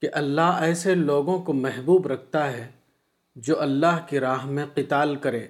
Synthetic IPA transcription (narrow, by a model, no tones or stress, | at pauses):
keʔɐlːaːɦɛːseloːɡõkomɛɦbuːbɾɐk̚ʰt̪aɦɛ | d͡ʒoːʔɐlːaːɦkiɾaːɦmẽqɪt̪aːlkɐɾẽː